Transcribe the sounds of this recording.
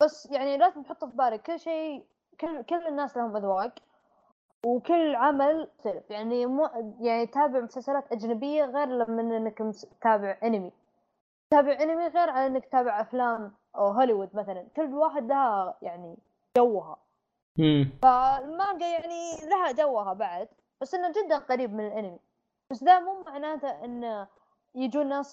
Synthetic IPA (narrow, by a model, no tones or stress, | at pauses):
b̥asːjaʕnilat̪nħʊt̪ˤːfibaːɾɪɡ̚kʊlːʃeː | kʊlːkʊlːɪnːaːslahʊmʔaðwaːɡ | wkʊlːʕamalt̪alɪfjaʕnimjaʕnit̪aːbɪʕmʊsalsalaːt̪ʔad͡ʒnabɪjːaɣeːɾlamːɪnʔɪnːakmst̪ːaːbɪʕʔɪnɪmi | t̪aːbɪʕʕɪnɪmiɣeːɾʕalʔɪnːakt̪aːbɪʕʔaflaːm | ɦoliwʊd̪maθalankʊlːwaːħɪd̪lahajaʕni | d͡ʒawːɦa̰ | falmaːɡajaʕnilaɦad͡ʒawːɦabaʕd̪ | b̥asːʔɪnːad͡ʒɪd̪ːanqɑɾiːb̚mɪnɪlʔɪnɪmi | b̥asd̪amuːmaʕnaːt̪aʔɪnː | jad͡ʒuːnːaːs